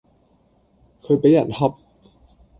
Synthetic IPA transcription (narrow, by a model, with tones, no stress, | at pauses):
kʰɤː˧jpa˧ja˨˩˦nhɔ˧˥p̚